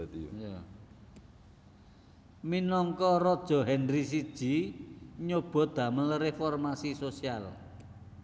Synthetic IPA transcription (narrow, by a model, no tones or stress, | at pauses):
ja | minɔŋkɔrɔd̥ʒ̥ɔ̤ɦɛnris̬id̥ʒ̥i̤ɲob̥ɔ̤d̪̥ä̤mənlɾefɔrmasisosial